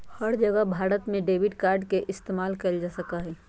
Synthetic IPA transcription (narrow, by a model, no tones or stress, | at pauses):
həɾd͡ʒəɡəbʱaːɾət̪mẽɖeːʋɪʈkaːɾɖkeʔɪst̪eːmaːlkəld͡ʒaːsəkaɦɛː